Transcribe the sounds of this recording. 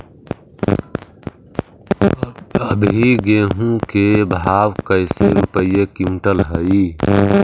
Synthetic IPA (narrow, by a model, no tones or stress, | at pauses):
əbʱiɡeːɦũkebʱaːwkəjseɾupəijekiũʈəlɦəi